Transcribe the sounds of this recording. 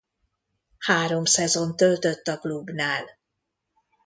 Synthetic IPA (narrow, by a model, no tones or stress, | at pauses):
haːɾo̞msɛzo̞nt̪ølt̪øt̪ːɒklubnaːl